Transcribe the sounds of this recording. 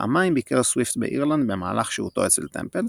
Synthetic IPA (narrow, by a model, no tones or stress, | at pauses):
a̰maimbikeʁswift̪beʔiʁland̪bemaːlaχʃeṵt̪o̞̰et͡selt̪e̞̰mpel